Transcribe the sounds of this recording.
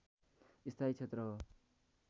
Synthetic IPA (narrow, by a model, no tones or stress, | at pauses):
ist̪ʰait͡sʰet̪ɾʌ